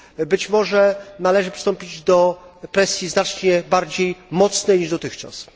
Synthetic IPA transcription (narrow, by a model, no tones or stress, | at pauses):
bɘt͡ɕmɔʐɛnalɛʐɘpʂst̪ɔmpʲid͡ʑd̪ɔpɾɛsʲjiznat͡ʂɲɛbaɾd͡ʑejmɔt̪snɛjɲiʐd̪ɔt̪ɘxt͡ʂa̰s